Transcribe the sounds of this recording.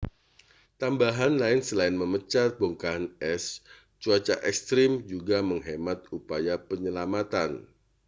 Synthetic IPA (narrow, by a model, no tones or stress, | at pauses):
t̪ambaɦanlaɪnsəlaɪnməmət͡ʃaboŋkanɛs | t͡ʃuat͡ʃa̰ʔɛkst̪ɾɪmd͡ʒuɡaməŋɦemat̪upajapəɲəlamat̪an